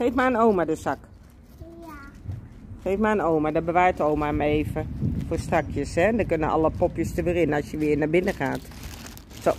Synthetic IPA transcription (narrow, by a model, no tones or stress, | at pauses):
χejfmaənowmadəsɑk | χejfmaənowmadɔbəʋajtowmamaejvəfoːstɑkʰjəsɦɛdəkɵnənʔɑ̰ləpɔpjəstəʋɪːrɪnəɑsjəʋɪːɹnabɪnəχaːt | so